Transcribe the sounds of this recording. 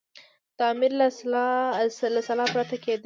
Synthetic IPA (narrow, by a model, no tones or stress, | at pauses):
t̪ɑmɪɾla | lasalɑpɾat̪aked̪